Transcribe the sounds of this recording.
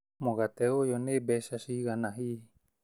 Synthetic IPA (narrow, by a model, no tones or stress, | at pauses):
moɣat̪eojonebeʃasiɣanaɦi